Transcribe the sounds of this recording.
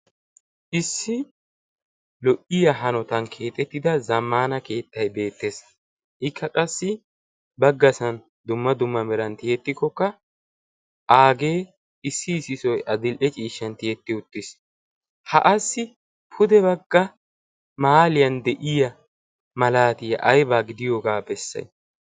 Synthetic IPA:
ʔɪsːɪ | lɔʔɪjɐɦɐnɔt̪ɐnkʰe̞ːt̪ʼɛt̪ːɪd̪ɐzɐmːaːnɐke̞ːt̪ːɐjbe̞ːt̪ːes | ʔɪkːɐkʼɐsːɪ | bɐɡːɐsɐn | d̪ʊmːɐd̪ʊmːɐmɛɾɐnt̪ɪjɛt̪ːɪkːɔkːɐ | ʔaːɡe̞ː | ɪsːɪːsɪsɔjʔɐd̪ɪlʔɛt͡ʃʼiːʃːɐnt̪ɪjɛt̪ːɪʊt̪ːɪs | hɐ̰ʔɐsːɪ | pʰʊd̪ɛbɐɡːɐ | maːlɪjɐnd̪ɛʔɪjɐ | mɐlaːt̪ɪjɐ̰ʔɐjbaːɡɪd̪ɪjoːɡaːbɛsːɐ̰j

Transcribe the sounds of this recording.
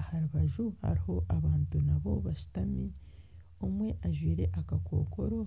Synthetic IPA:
ahaɾuβaʒuha̰ɾiho̞ʔaβaːntunaβo̞βaʃu̥tami | omwe̞ʔaʒwiːɾe̞ʔakako̰ːko̞ɾo̞

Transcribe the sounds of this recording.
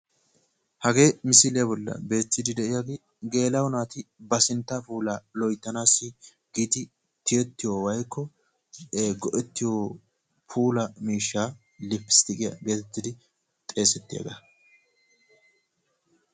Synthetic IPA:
hɐɡe̞ːmɪsɪlɪjɐbɔlːɐ̰be̞ːt̪ːɪd̪ɪd̪ɛʔɪjaɡeː | ɡe̞ːlɐwnaːt̪ɪbɐsɪnt̪ːapuːlaːlɔjt̪ːɐnaːsːɪ | ɡ̥id̪ɪ | t̪ɪjɛt̪ːɪjoːwɐjkʰːɔ | ɡɔʔɛt̪ːɪjoː | pʰuːlɐmiːʃːaː | lɪfːɪ̥st̪ɪkʼɪjɐ̰ɡe̞ːt̪ɛt̪ːɪd̪ɪ | t̪ʼe̞ːsɛt̪ːɪja̰ːɡɐ

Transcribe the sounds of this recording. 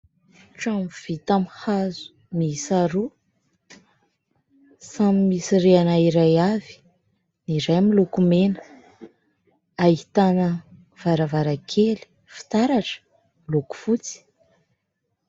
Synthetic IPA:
ʈ͡ʂamv̥it̪amhazu̥ | miisaɾu | samimisireanaiɾajavi̥ | niɾajmilukumenə̥ | ait̪anə | v̥aɾavaɾakʰeli̥ | fi̥t̪aɾaʈ͡ʂə̥ | miluku̥fut͡si̥

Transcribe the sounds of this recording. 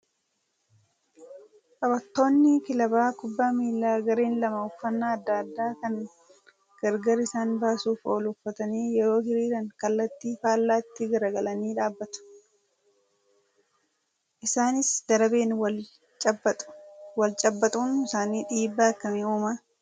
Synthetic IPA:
kʼɐbɐt̪ːo̞ːnːɪkɪlɐbaːkʊbːaːmiːlːaːɡɐɾeːnlɐmɐʊfːɐnːaːɐd̪ːɐːd̪ːaːkɐŋ | ɡ̥ɐɾɡɐɾɪsaːnbaːsuːfo̞ːlʊfːɐt̪ɐniːjɛɾo̞ːhɪɾiːɾɐŋkɐlːɐt̪ːiːfaːlːaːɪt̪ːɪɡɐɾɐɡɐlɐniːᶑaːbːɐt̪ʊ̥ | ʔɪsaːnɪsd̪̥ɐɾɐbeːnw | t͡ʃʼː | wɐlt͡ʃʼɐbːɐt̪ʼuːnɪsaːniːᶑiːbːaːkːɐmeuːmɐ

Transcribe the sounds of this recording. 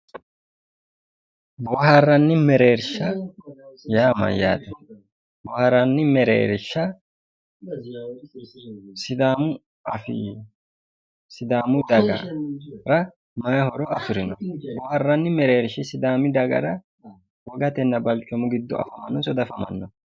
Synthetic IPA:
bɔɦɐrːɐnːɪmɛɾe̞ːɾʃːɐ | jaːmɐ̰jaːt̪ɛ | bɔhɐɾɐnːɪmɛɾḛːɾʃːɐ | sɪd̪aːmʊ | ɐfɪ | sɪd̪aːmʊd̪ɐɡɐ̰ɾɐ | mɐjɐhɔɾɔɐfɪɾɪnɔbɔːhɐrːɐnːɪmɛɾe̞ːɾʃɪsɪd̪aːmɪd̪ɐɡɐ̰ɾɐ | wɔɡɐt̪ɛnːɐbɐlt͡ʃʼːɔmʊɡɪd̪ːɔɐ̰fɐmɐnːɔsɔd̪ɐfɐmɐ̰nːɔ

